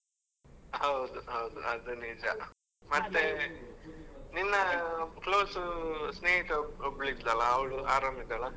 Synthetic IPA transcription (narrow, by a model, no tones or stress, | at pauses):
ɦɐwd̪uɦɐwd̪uɐd̪unid͡ʒɐ̰ | mɐt̪ːe | ninːɐkloːsusneːɦit̪obɭid̪lɐlɐːwɭuaːɾɐmid̪ɐlɐ